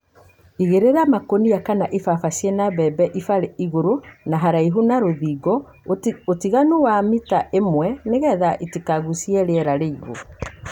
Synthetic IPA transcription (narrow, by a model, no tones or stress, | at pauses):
iɣeɾeɾamakonijakanaʔifafaɕjenabɛbɛʔifaɾeiɣoɾonaɦaɾaiɦunaɾoðiːɡɔ | otiɣanowamitaʔemwɛneɣɛðaʔitikaɣusiɛɾeɛɾaɾeiɣo̰